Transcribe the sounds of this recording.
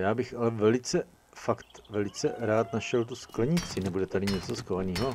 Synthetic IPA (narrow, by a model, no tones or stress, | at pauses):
jaːbɪxʔalɛvɛlɪt͡sɛ | fakt̪vɛlɪt͡sɛɾaːt̪naʃɛlt̪̬usklɛɲɪt͡sɪnɛbudɛt̪adɪɲɛt͡soskovaniːɦo